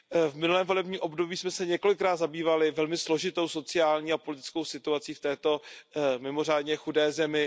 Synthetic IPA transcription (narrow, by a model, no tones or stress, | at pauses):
vmɪnulɛːmvo̞lɛbɲiːʔo̞bdo̞biːsmɛsɛɲɛko̞lɪkɾaːtd̪zabiːvalɪvɛlmɪslo̞ʒɪt̪o̞wso̞t͡sɪaːlɲiːapo̞lɪt̪ɪ̥t͡skowsɪt̪uat͡siːft̪ɛːt̪o̞mɪmo̞r̝aːdɲɛxudɛːzɛmɪ